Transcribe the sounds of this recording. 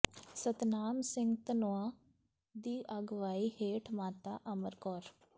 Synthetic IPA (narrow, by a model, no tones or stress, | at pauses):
sət̪naːmsɪ̃ŋɡt̪ənoaː | d̪iːʔəɡʋaːiːheːʈʰmaːt̪aːʔəməɾkɔːɾ